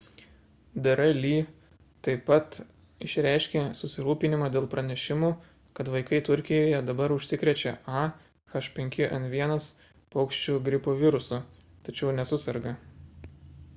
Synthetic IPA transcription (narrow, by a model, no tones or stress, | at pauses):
d̪ɐɾɐlʲiː | t̪ɐɪpɐt̪ | ɪʃʲɾʲæɪʃʲkʲeːsʊsʲɪɾuːpʲɪnʲɪmɑːd̪ʲeːlˠpɾɐnʲɛʃʲɪmuː | kɐt̪ʋɐɪkɐɪt̪ʊɾʲkʲɪjoːjɛd̪ɐbɐɾʊʃʲsʲɪkɾʲɛt͡ʃʲɛʔɑː | xɐʃpʲɛŋʲkʲɪʔɐnt̪ʋʲiɛnɐs | poːkʃʲt͡ʃʲuːɡɾʲɪpoːʋʲɪɾʊsu | t̪ɐt͡ʃʲɛʊnʲɛsʊsʲɐɾɡɐ